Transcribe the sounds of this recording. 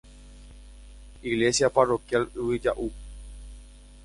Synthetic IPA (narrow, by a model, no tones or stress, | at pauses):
iɣlesjaparokjaluwid͡ʒa̰ʔu